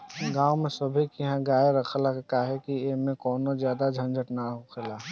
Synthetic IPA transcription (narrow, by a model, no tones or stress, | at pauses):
ɡaːumẽsəbʱikiɦãɡaːjeɾəkʰlakkaːɦɛkiemẽkɔːnozjaːd̪ad͡ʒʱə̃nd͡ʒəʈnaɦokʰela